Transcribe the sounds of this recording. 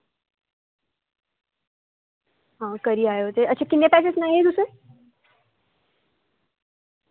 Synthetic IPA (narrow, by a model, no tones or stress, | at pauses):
ɦãkəɾiːaɦjeɦot̪eʔətːɕʰakinːjepæs̬esnaiɦet̪usə